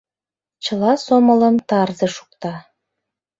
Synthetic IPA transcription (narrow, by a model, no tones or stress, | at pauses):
t͡ɕɤ̆lɑsomɤ̆lɤ̆mt̪ɑrzɤ̆ʃu̥k̚t̪ɑ